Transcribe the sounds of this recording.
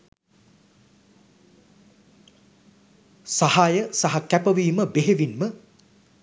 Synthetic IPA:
sahajəsaɦakæpəʋiːməbeɦeʋinmə

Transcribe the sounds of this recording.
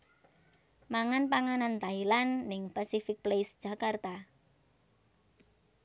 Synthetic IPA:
maŋanpaŋanant̪ailanːɪŋpasifɪk̚plesd̥ʒ̥a̤kart̪a

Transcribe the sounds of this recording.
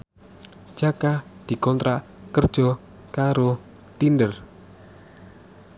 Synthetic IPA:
d̥ʒ̥a̤kad̪̥i̤kɔnt̪ɾaʔ | kərd̥ʒ̥ɔ | kaɾo | t̪indər

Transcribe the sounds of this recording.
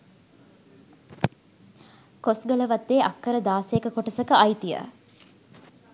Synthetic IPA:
kosɡələʋat̪ːeːʔɐkːəɾəd̪aːsejekəkoʈəsəkəajt̪ijə̰

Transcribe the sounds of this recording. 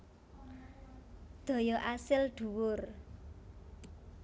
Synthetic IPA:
d̪̥ɔ̤jɔʔasɪlɖ̪̥ṳwʊr

